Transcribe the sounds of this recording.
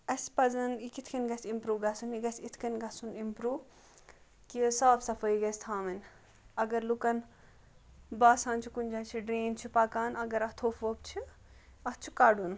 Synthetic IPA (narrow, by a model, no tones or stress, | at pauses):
ɐspɐzɐnikit̪ʰkɐnɡɐsimpɾuːʋɡɐsuniɡɐsʲit̪ʰkɐnɡɐsunimpɾuːʋ | kiəsaːbsɐfəiɡɐsʲt̪ʰaːmɐn | ɐɡɐɾlukɐn | baːsãːnt͡ʃʰikund͡ʒaːt͡ʃʰiɖɾiːnt͡ʃʰipakaːnɐɡɐɾɐt̪ʰoːfʰʋop̚t͡ʃʰi | ɐtt͡ʃʰu̥kaːɖun